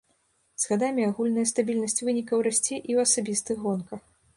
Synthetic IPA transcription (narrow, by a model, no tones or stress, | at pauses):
z̥ɣad̪amʲiaɣulʲnɐjɐst̪abʲilʲnɐsʲt͡sʲvɨnʲikɐwɾasʲt͡sʲɛʔiwɐsabʲist̪ɨɣɣɔnkɐx